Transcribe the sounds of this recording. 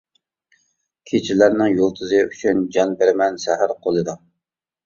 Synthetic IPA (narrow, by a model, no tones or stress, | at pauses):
kʲʰet͡ʃʰɪlæɾnɪŋjolˠt̪ʰɨzɨyt͡ʃʰynd͡ʒɑnbeɾmɛnsæɦæɾqʰolˠɨd̪u